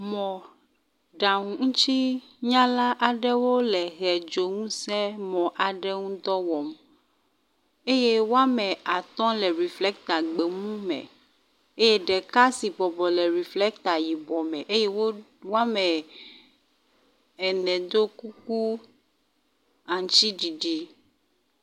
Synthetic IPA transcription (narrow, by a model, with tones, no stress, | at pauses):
mɔ̃˨ | ɖa˨ŋũ˨ŋũ˦t͡ʃi˦ɲã˦la˦ʔa˨ɖɛ˦wo˦lɛ˨ɣɛ˨d͡ʒo˨ŋũ˦sɛ˦mɔ̃˨ʔa˨ɖɛ˦ŋũ˦d̪ɔ˦wɔ˨m | e˦je˦wo˦a˦mɛ̃˨a˨t̪ɔ̃˦lɛ˨ɾi˨flɛ˦k̚t̪a˨ɡ͡be˨ŋũ˦mɛ̰̃˨ | e˦je˦ɖɛ˨ka˦si˨bɔ˨bɔ˨lɛ˨ɾi˨flɛ˦k̚t̪a˨ji˨bɔ˨mɛ̃˨ʔe˦je˦wo˦wo˦a˦mɛ˨ | ɛ˨nɛ̃˨d̪o˦ku˦k̚u˦ | a˨ŋ˨t͡ʃi˦ɖi˨ɖi˦